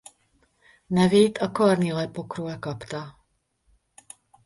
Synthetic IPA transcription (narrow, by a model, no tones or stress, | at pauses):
nɛviːt̪ʰakoaɾnilɛpokɾuɛkapt̪a